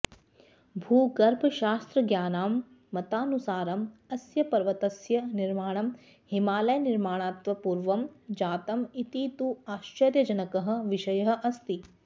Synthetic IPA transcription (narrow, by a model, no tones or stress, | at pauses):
bʱuːɡɐɾbʱɐʃaːst̪ɾɐɡjaːnaːmː | ɐt̪aːnusaːɾɐmɐsjɐpɐɾʋɐt̪ɐsjɐniɾmaːɳ̃ɐm | himaːlɐjɐniɾmaːɳaːt̪ʋɐpuːɾʋɐmd͡ʒaːt̪ɐmit̪iːt̪uaːʃt͡ʃɐɾjɐd͡ʒɐnɐkɐɦɐ̆ʋiʃɐjɐɦɐ̆ʔɐst̪i